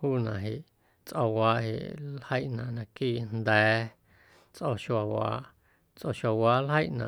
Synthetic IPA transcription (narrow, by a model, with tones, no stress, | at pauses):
huː˦nã˨ɦe˨ʔ | t͡sʔo˧waː˧˦ʔhḛ˨ʔlhə˦jʔnã˨ʔnã˧kiː˦˨nd̪ɛː˨˦ | t͡sʔo˧ʃwa˨wa̰ː˨˦ʔ | t͡sʔo˧˨ʃa˨waː˧˦lɦə˦jʔnã̰˨